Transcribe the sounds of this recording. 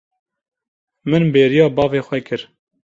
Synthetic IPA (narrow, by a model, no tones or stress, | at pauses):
mɨnbeːɾijɑːbɑːveːxwɛkʰɨɾ